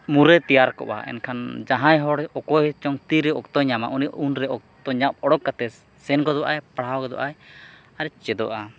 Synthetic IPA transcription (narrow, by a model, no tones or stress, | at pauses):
muɾɛt̪ijaɾkɔ̰ʔa̰ɛ̰nkʰand͡ʒaɦãjɦɔɽɔkɔjt͡ʃɔŋt̪iɾɛɔkt̪ɔɲama̰ʔuniʔunɾɛɔk̚t̪ɔɲap̚ɔɽɔkːat̪ɛ | sɛnkɔd̪ɔʔajpaɽ̤awkɔd̪ɔ̰ʔaj | aɾɛt͡ʃɛd̪ɔ̰ʔa